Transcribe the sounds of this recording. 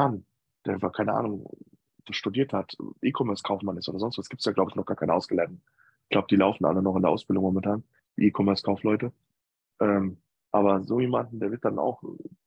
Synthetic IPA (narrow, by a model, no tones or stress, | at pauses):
an | d̥eːɐfakʰaɪnəʔa̰ːnʊŋ | d̥asʃtudiːɐthatʰʔiːkʰɔmɛɐskʰaʊfmanɪstoːdɐzɔnstv̥asɡ̥iːp̚tsjaːɡlaʊbəɪçnɔχɡ̥aːɐkʰaɪnəaʊsɡ̥əlɛndn | ɪɡ̥laʊbəd̥iːlaʊfn̩ʔa̰lənɔχɪndeɐʔaʊsb̥ɪldʊŋmɔmɛntʰaːn | d̥ḭːʔiːkʰɔmɛɐskʰaʊflɔʏtə | ʔɛːm | ʔaːbɐzoːjeːmandn̩deːvɪɐt̚d̥ana̰ʊx